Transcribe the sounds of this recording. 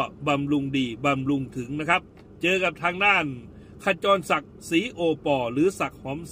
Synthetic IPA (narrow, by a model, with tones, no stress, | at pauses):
ba˨mlu˧ŋdiː˧˩ba˨mlu˧ŋt̪ʰɯ˩˦ŋna˦˥kʰa˦˥p̚ | t͡ɕɤː˧ka˨˩p̚t̪ʰaː˧ŋdaː˥˩n | kʰa˧˩t͡ɕɔː˧nsa˨˩k̚siː˨˩˦ʔoː˨˩pɔː˨˩ɾɯː˨˦sa˨˩k̚hɔː˩˦m